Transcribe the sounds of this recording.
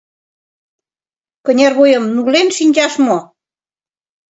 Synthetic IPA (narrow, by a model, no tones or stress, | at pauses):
kənʲɑrβojəmnulenʃinʲd͡ʑɑʃmo